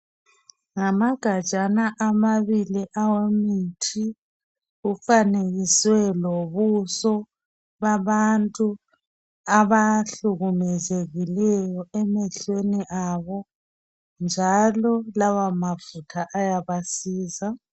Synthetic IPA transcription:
ŋamaɡ̥ʱḁt͡ʃʼanaʔamaβiliʔawemitʰi | ɣufaneɣiswɛloβusɔ | βaβantʼu | aβaɬuɣumɛzeɣilɛjɔɛmɛɬweniʔaβɔ | nd͡ʒʱalɔlawamavutʰaʔajaβasiːza

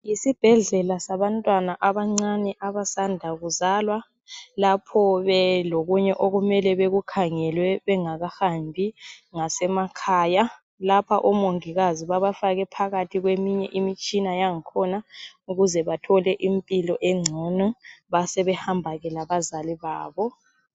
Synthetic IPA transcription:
jisib̥ʱɛɮɛlasaβantʼwanaʔaβaŋ͡ǀanɛʔaβasandʱaɣuzaːlwa | lapʰɔβɛloɣuɲɛʔoɣumɛlɛβeɣukʰaŋɛlwɛβɛŋaɣahambʱiŋasɛmakʰaːja | lapʰaʔɔmoŋiɣaziβaβafaɣɛpʰaɣatʰiɣwemiɲɛ̰ʔimit͡ʃʼinajaŋikʰɔnauɣuzɛβatʰɔlɛʔimpʼilɔʔeŋ͡ǀʱɔnuβasɛβɛhambʱaɣɛlaβazaliβaːβɔ

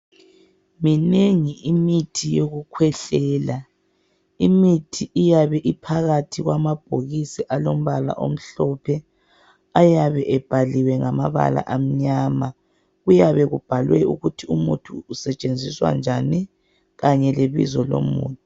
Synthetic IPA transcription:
mineŋiʔimitʰijoɣukʰwɛɬɛːla | imitʰiʔijaβɛʔipʰaɣatʰiɣwamab̥̚ʱoɣisiʔalom̩βala̰ʔo̰m̩ɬɔpʰɛ | ajaβɛʔɛb̥ʱaliwɛŋamaβa̰la̰ʔam̩ɲaːma | ɣujaβɛɣub̥ʱalwɛṵɣutʰiumutʰuːsɛt͡ʃʼend͡zʱiswa̰nd͡ʒʱani | ɣaɲɛleβḭzɔlo̰mṵːntʰʼu

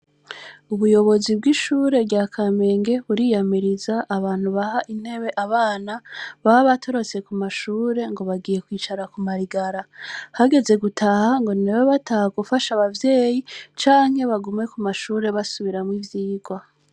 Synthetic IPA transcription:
uβujo̞βo̞zibɡiʃuːɾe̞ɾɟaːkʰame̞ːŋɡe̞βuɾijamiɾizaʔːβaːn̥huβahaʔin̥he̞βe̞ʔaβaːnaβaaβatʰo̞ɾo̞t͡se̞kumaʃuːɾe̞ŋɡo̞βaɡije̞kwiːt͡ʃaɾakumaɾiɡaɾahaɡe̞ze̞ɡutʰahaŋɡo̞newoβatahaɡufaʃaβavje̞ːjit͡ʃaːŋhe̞βaɡume̞kumaʃuːɾe̞βasuβiɾamwivjiːɡwa

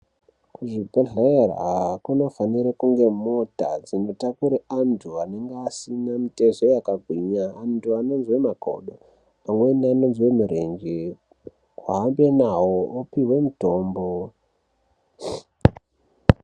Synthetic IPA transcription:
kuʐipeɮer̰ɦakuno̞faniɾekuŋɡe̞mo̞ta̰d͡zino̞takuɾeantʰuane̞ŋɡasinamite̞zo̞jakaɡʱwiɲaːntʰuano̞nzwe̞mako̞̰ɗo | pamwe̞niano̞nzwe̞muɾe̞nd͡ʒe | kwaɦːmbe̞nawoopiwe̞muto̞ːmbo

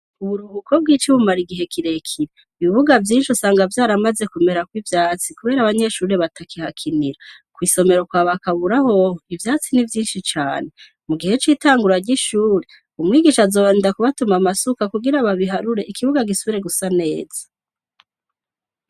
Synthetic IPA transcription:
uβuɾuβukʰo̞b̚ɡiːt͡ʃiβumaɾiɡiɦe̞kʰiɾe̞kʰiɾe | iβiβuɡavjiːnʃusaːŋɡavjaːɾamaze̞kume̞ɾakwivjaːt͡sikuβe̞ːɾaβaɲe̞ʃuːɾe̞βatʰakihakʰiniɾa | kwiːso̞me̞ɾo̞kwaːβakaβuɾaho̞oivjaːt͡sinivjiːnʃit͡ʃaːne̞ | muɡihe̞t͡ʃiːtaːŋɡuɾaɟiʃuːɾe | umŋiːɡiʃazoːβaːnidakuβatumamasukakuɡiɾaβaβiɦaɾuɾe̞ʔikiβuɡaɡisuβiɾe̞ɡusane̞ːz̥ḁ

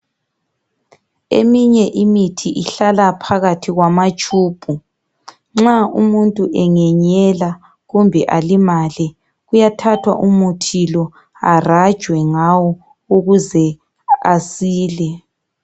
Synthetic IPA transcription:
ḛmiɲɛʔimitʰiʔiɬalapʰaɣatʰiɣwamat͡ʃʼuːb̥ʱu | ŋ͡ǁaumuntʼuʔɛŋɛɲɛla | ɣumbʱɛʔalimaːlɛ | ɣujatʰatʰwa̰ʔumutʰilɔ | a̰rḁʒ̥ʱwɛŋawɔ | uɣuzɛ | asiːlɛ

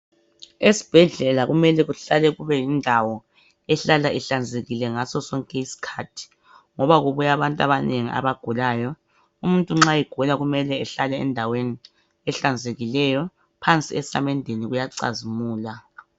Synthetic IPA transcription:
esi̥b̥ʱɛɮɛlaɣumɛlɛɣuɬalɛɣuβɛjindʱawɔ | ɛɬalaʔɛɬand͡zʱeɣilɛŋasɔsɔŋkʼɛisi̥kʰaːtʰi̥ | ŋɔβaɣuβujaβantʼaβaneŋiʔa̰βaɡ̥ʱulaːjɔ | um̩ntʼuŋ͡ǁajɛɡ̥ʱulaɣumɛlɛɛɬalɛɛ̰ndʱaweni | ɛɬand͡zʱeɣilɛjɔ | pʰant͡sʼiɛsamɛndʱeniɣujaǀa̰zimuːla

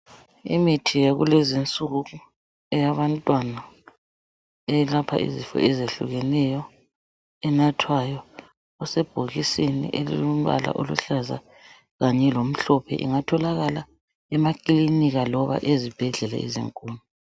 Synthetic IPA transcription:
ḭmitʰijaɣṵlɛzint͡sʼuɣu | ɛjaβantʼwana | ɛlapʰa̰ʔḭzifɔ̰ɛzeɬṵɣɛnɛjɔ | ɛnatʰwajɔ | ɔsɛb̥ʱoɣisinḭʔelḭlum̩βa̰la̰ʔolṵɬaza̰ | ɣaɲɛlom̩ɬɔpʰɛ̰ʔḭŋatʰɔlaɣala | ɛmakʼiliniɣalɔβa̰ʔezib̥ʱɛɮɛlɛ̰ḭzḭŋkʼuːnu

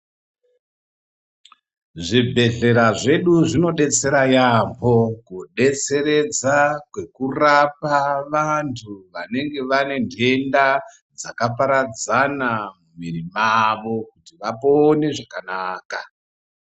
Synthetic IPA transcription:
ʐibʱe̞ɮe̞ɾaʐe̞ɗuʐino̞ɗe̞t͡se̞ɾajambʱo̞kuɗe̞t͡se̞ɾe̞d͡zakwe̞kurapaʋantʰuʋane̞ŋɡe̞ʋane̞ndʱe̞nda | d͡zakapaɾad͡zanamumirimaʋo̞kutiʋapone̞ʐakanaːka̰

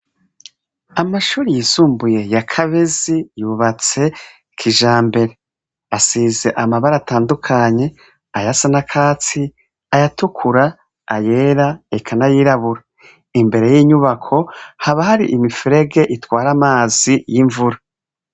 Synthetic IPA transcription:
amaʃuːɾijisuːmbuje̞jakʰaβezijuβat͡se̞ | kʰiʒaːmbe̞ɾe̞ | asize̞ʔamaβaɾataːndukʰaɲe̞ | ajasanakʰaːt͡si | ajatukʰuɾaː | je̞ːɾaekʰanajiɾaβuɾa | imbe̞ɾe̞jiɲuβakʰo̞haβahaɾḭʔimifiɾe̞ɡe̞ʔitwaːɾamaːzijiɱvuɾa

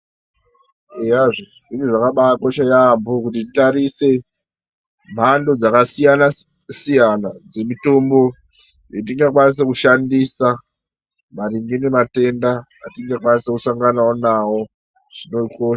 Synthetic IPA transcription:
eaʐi | ʐiniʐakaɓakoʃajambokut̬ititaɾise̞ | m̤ando̞d͡zakasijana | sijanad͡ze̞mito̞mbo̞ | jet̬iŋɡakwanis̬ekuʃandisa | maɾiŋɡinemate̞ndaː | tiŋɡakwanisekusaŋɡanaonawo̞ | ʐ̥ino̞ikoːʃa

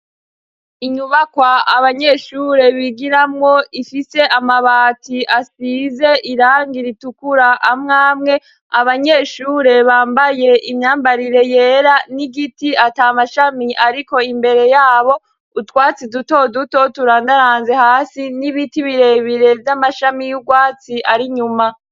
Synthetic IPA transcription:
iɲuβakwaaβaɲe̞ʃuːɾe̞βiɡiɾamŋo̞ifise̞ʔamaβaːtiʔasiːze̞ʔiɾaːŋɡiɾitukuɾaʔamŋaːmŋe̞ | aβaɲe̞ːʃuːɾe̞βaːmbaje̞imɲaːmbaɾiɾe̞je̞ːɾaniɡitiataːmaʃamiaɾiko̞imbe̞ɾe̞jaːβo̞ | utwaːt͡siduto̞duto̞tuɾaːndaɾaːnze̞haːsiniβitiβiɾe̞βiɾe̞vjamaʃamijuɡwaːt͡siʔaɾiɲuma

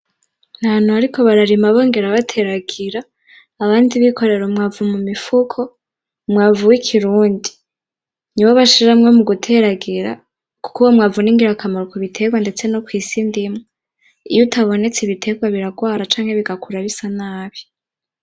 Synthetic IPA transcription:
nhanuaɾiko̞βaɾaɾimaβo̞ːŋɡe̞ɾaβatʰe̞ɾaɡiɾaː | βaːndiβikʰo̞ɾe̞ɾomŋaːvumumifukʰo | mŋaːvuwikʰiɾuːndi | niβaβaʃiɾamŋomuɡutʰe̞ɾaɡiɾa̰ | ku̥kuwomŋaːvuniŋɡiɾakʰamaɾokoβitʰe̞ɡwande̞t͡se̞no̞kwiːsindimŋe | ijutʰaβo̞ne̞t͡seβitʰe̞ːɡwaβiɾaɡwaːɾat͡ʃaːŋhe̞βiɡakuɾaβisanaːβi̥

